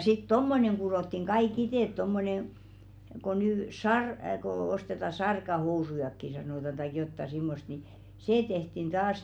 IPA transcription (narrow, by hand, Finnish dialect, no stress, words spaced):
sit tomːoneŋ kuroˑtːiŋ ɡ̊ɑik iteˑt tomːonen̞ ko nyː sɑr ko ostetɑ sɑrkɑhousujɑkːi sɑnoˑtɑn tɑik jotːɑ simːost ni seː tehtin d̥ɑːs